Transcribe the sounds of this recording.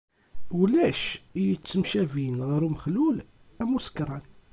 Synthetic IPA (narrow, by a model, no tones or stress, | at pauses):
wlæʃjət͡sːəmʃævinʁɾuməxlul | æmuskɾˤɑn